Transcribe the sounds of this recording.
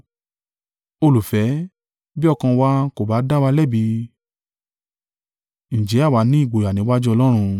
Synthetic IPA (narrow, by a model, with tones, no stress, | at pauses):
o˧lu˨fɛ˨˦ | bi˦ɔ˦˧˨kã˧wa˧˦ko˨ba˨˦da˦wa˧lɛ˦˨bi˧ | ñ̩˨d͡ʒɛ˨˦a˦˨wa˨˦nĩ˨˦i˦˨ɡ͡bo˨a˨nĩ˨˦wa˦d͡ʒu˦ɔ˧lɔ˦ɾ̃ũ˧